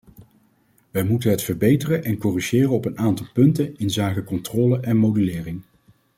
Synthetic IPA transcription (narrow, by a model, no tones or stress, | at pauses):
ʋɛjmutənɦətfəɹbejtərənʔɛnkɔriʒɪːrənɔpənaːntɑlˠpɵntənɪnzaːkəkɔntrɔːləʔɛnmowdylɪːrɪŋ